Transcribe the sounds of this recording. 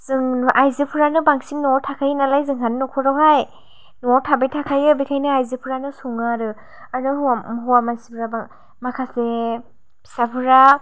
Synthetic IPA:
zɯŋʔajzɯpʰɯɾanɯbaŋsimnɔɾtʰakʰajnalajzɯŋɦanːɔkʰɔɾawɦaj | nɔɾtʰabejtʰakʰajɯbekʰajnɯajzipʰɯɾanɯsuŋaɾɯ | aɾɯhaɦɔwamansipʰɯɾaba | makʰase | b̥ʰi̥sapʰɯɾa

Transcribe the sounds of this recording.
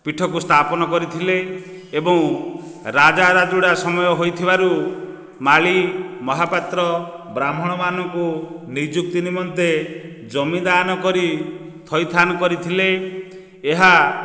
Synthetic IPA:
piʈʰɔk̬ust̪ʰapɔnɔkɔɾit̪ʰileː | bɔŋ | ɾad͡ʒaɾad͡ʒuɽasɔmɔjɔɦojt̪ʰibaɾu | maɭimɔɦapat̪ɾɔbɾamɔɽ̃ɔmanɔŋkunid͡ʒuk̚t̪inimɔnt̪e | d͡ʒɔmid̪anɔkɔɾi | t̪ʰɔjt̪ʰanɔkɔɾit̪ʰileː | ɦa

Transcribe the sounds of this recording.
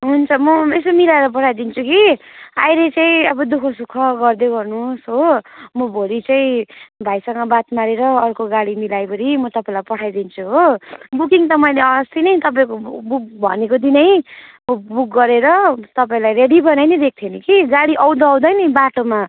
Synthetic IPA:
ɦunt͡sʰʌmʌesomilaeɾʌp̬ʌʈʰajd̪int͡sʰukiajɾet͡saĩʌbʌd̪ukʰʌsukʰʌɡʌrd̪eɡʌrnusɦomʌbʱolit͡saĩbʱajsʌŋɡʌbat̪maɾeɾʌːrkoɡaɽimilajbʌɾimʌt̪ʌpaĩlajpʌʈʰajd̪int͡sʰuɦobuk̬iŋt̪ʌmʌĩleʌʌst̪inʌjt̪ʌpaĩkobuk̚bʱʌ̰nekod̪inʌjmʌbuk̚ɡʌɾeɾʌt̪ʌpaĩlajreɽibʌnajnid̪ek̚t̪ʰjenikiɡaɽiʔʌw̃d̪ʌʌw̃d̪ʌjnibaʈoma

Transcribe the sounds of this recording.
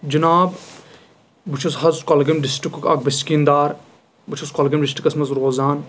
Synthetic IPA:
d͡ʒɐnaːb | but͡ʃʰɐsɦɐzkɔlɡɐmɖisʈikkɐ̰k̚bɐskiːnd̪aːɾ | but͡ʃʰɐskɔlɡɐmɖisʈɾikɐsmɐzɾoːzaːn

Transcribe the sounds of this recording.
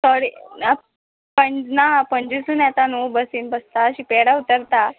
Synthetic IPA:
sɔɽina | pəɲd͡ʑnapəɲd͡ʑisuːnɛt̪anubəsiːnbəst̪aɕipeɽaut̪əɾt̪a

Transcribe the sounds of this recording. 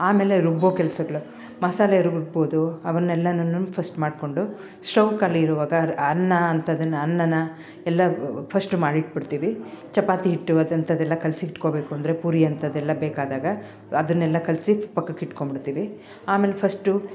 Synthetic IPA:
aːme̞ːle̞ɾubːoːkɛlsɐɡɐɭu | mɐsaːlɐiɾuɡuɡboːd̪uɐʋɐɾnːɛlːɐnɐnːupʰɐsʈmaːɖko̞ɳɖu | sʈɐwkalɐiɾuʋaːɡɐɐnːɐːnt̪ɐd̪ɐnːɐnːɐnːɐ | ɛlːɐpʰɐsʈumaːɽiʈ̚bɐɽt̪iːʋit͡ʃɐpaːt̪iɦiʈːuɐd̪ɐnt̪ɐd̪ɛlːɐkɐlsiɦiʈko̞ːbe̞ːkuɐnd̪ɐɾepuːɾijɐnt̪ɐd̪ɛlːɐbeːkaːd̪aːɡɐ | ɐd̪ɐnːɛlːɐkɐlsipɐkːɐkiʈkombiɽt̪iːʋi | aːmeːlepʰɐsʈu

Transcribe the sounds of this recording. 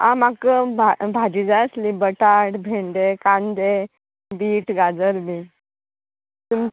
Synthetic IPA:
ã̰makəbabʱad͡ʑid͡zaəslibəʈaɽbʱeɳɖekãnd̪e | biːʈɡad͡zəɾbi | t̪um

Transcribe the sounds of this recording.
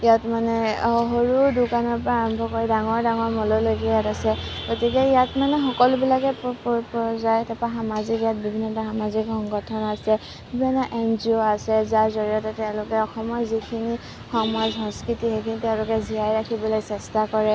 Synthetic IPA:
ijatmanɛɦoɹudʊkanɔɹpɔɹaːɹɔmbʱɔkoɹidaŋɔɹdaŋɔɹmɔlɔlojkɛjatasɛ | ɡotikɛijatmanɛxɔkɔlʊbilakɛpɔpɔzajɛtɛpaxamazikijat̚bibʱinːɔtaxamazikxɔŋɡɔtʰɔnasɛ | bibʱinːɔʔɛnzioasɛzaɹzɔɹijɔtɛtɛʊ̃lʊkɛɔxɔmɔɹzikʰini | xɔmazɦɔ̃nskɹitixejkʰinitɛʊ̃lʊkɛziajɹakʰibɔlojsɛstakɔɹɛ

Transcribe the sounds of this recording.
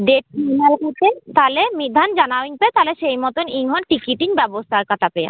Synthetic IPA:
ɖeʈinalkot͡ɕʰet̪alemid̪ʱand͡ʑanawiŋpet̪aleʃejmɔt̪oniŋɦɔnʈikiʈiŋbɛbost̪ʰaɾkat̪ʰapeja̰

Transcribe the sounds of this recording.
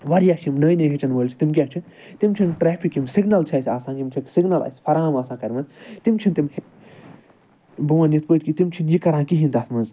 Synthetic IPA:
ʋɐɾjaːʃimnəːjneɦit͡ʃɐnʋəːlʲt͡ʃʰi̥t̪imk̬ʲjat͡ʃʰi | t̪imt͡ʃʰinʈɾɛːpʰikimsiɡnɐlt͡ʃʰɐsʲiaːsãːkʲimt͡ʃʰiksiɡnɐlɐ̰sʲpʰɐɾaːmaːsãːkɐɾʲmɐnzt̪imt͡ʃʰint̪imh | buwɐ̃nit̪̚pəːʈʲkit̪imt͡ʃʰinjikɐɾãːnkiɦĩnt̪aːsmɐnz

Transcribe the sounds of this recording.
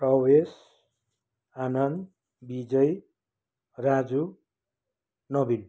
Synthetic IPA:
prʌwes | anʌnd̪ | bid͡zʌj | rad͡zu | nʌbin

